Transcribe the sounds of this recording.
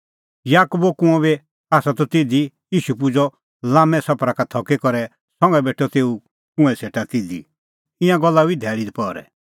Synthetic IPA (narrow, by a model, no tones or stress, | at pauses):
jaːkubokũɛ̃βe | aːsat̪ɔt̪id̪i | iːʃupud͡zɔ | lãːmɛ̃sɔpɾakat̪ʰɔkekɔɾɛ | sɔ̃ŋɡɛbeʈʰɔt̪eːu | kũɛ̃seːʈat̪id̪ḭ | ɪ̃ãɡɔlːabid̪ʱɛːɭid̪ipɔɾɛ̰